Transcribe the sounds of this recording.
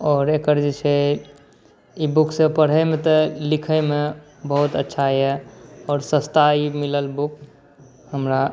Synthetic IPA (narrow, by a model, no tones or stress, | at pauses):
ɔːɾekəɾd͡ʒisʰə | ibuksẽpəɽ̤ɦəjmet̪ɔlikʰəɪme | bəɦut̪ətːʃʰajeɔːɾsə̃st̪aimiləlbuk | həmɾa